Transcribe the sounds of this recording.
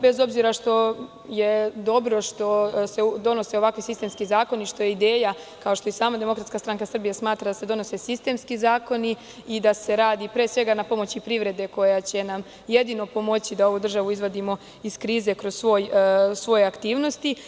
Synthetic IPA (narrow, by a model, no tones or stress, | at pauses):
bezo̞bziɾaʃt̪o̞ | je̞d̪o̞bɾo̞ʃt̪o̞se̞d̪o̞no̞se̞o̞ʋakʋisist̪e̞mskizaːko̞niʃt̪o̞je̞id̪eːja | kaoʃt̪o̞jesaːmad̪e̞mo̞kɾat̪skast̪ɾaŋkasr̩bijasmaːt̪ɾad̪ase̞d̪o̞no̞se̞sist̪e̞ːmskizaːko̞ni | id̪ase̞ɾaːd̪ipɾeːsʋe̞ɡanapo̞mo̞t͡ɕipɾiʋɾe̞d̪e̞ko̞jat͡ɕe̞nam | je̞d̪ino̞po̞mo̞t͡ɕid̪ao̞ʋud̪r̩ʒaʋuizʋod̪imo̞ | iskɾiːze̞kɾo̞zsʋo̞ːjsʋo̞jeakt̪iːʋno̞st̪i